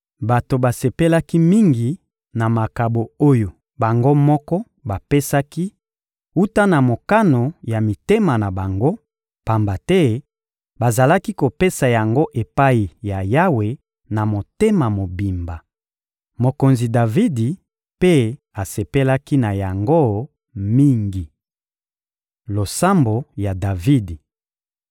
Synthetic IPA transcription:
ba˨to˨ba˨se˨pe˦la˦ki˦mi˦ŋɡi˨ | na˨ma˨ka˨bo˨o˦jo˨ | ba˨ŋɡo˦mɔ˦kɔ˦ | ba˨pe˦sa˦ki˦ | u˦ta˦na˨mo˨ka˦no˨ja˨mi˨te˦ma˨na˨ba˨ŋɡo˦ | pa˨mba˨tɛ˦ | ba˨za˨la˦ki˦ko˨pe˦sa˨ja˨ŋɡo˦ʔe˨pa˦i˨ja˨ja˦we˨ | na˨mo˨te˦ma˨mo˨bi˨mba˨ | mo˨ko˨nzi˨da˨vi˦di˨ | pe˦ | a˨se˨pe˦la˦ki˦na˨ja˨ŋɡo˦ | mi˦ŋɡi˨ | lo˨sa˦mbo˨ja˨da˨vi˦di˨

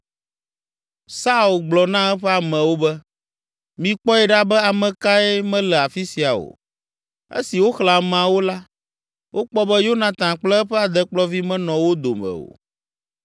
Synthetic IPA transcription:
sa˦u˨lɡ͡blɔ˨nã˦ɛ˦ɸɛ˦a˨mɛ̃˨wo˦bɛ˦ | mĩ˦k͡pɔ˦ɛ˨ɖa˦bɛ˦a˨mɛ̃˨ka˦ɛ˦mɛ̃˦lɛ˨a˨fi˦si˨a˨o̰˨ | ḛ˦si˨wo˦xla˨m̃˨a˨wo˦la˦ | wʔo˦k͡pɔ˦bɛ˦jo˦nã˨t̪ã˨k͡plɛ˦ɛ˦ɸɛ˦a˨d̪ɛ˦k͡plɔ˦vi˦mɛ̃˦nɔ̃˨wo˦d̪o̰˨mɛ̰̃˨o̰˨

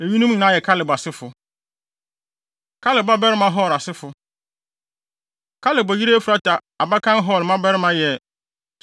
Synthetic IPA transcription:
e˨ɥi˦nũ˦mɲ̃˨nã˦jɛ˨kʰa˦lɪ˨ba˨sɪ˦fʊ˨ | kʰa˦lɪ˨ba˦bɛ˦ɾɪ˦mã˦ɦɔ˦˨ɾa˨sɪ˦fʊ˨ | kʰa˦lɪ˨bɔ˨ji˦ɾe˦fu˨ɾa˦tʰa˨ | a˨ba˦kʰã˦nɦɔ˦˨lmã˦bɛ˦ɾɪ˦mã˦jɛ˨

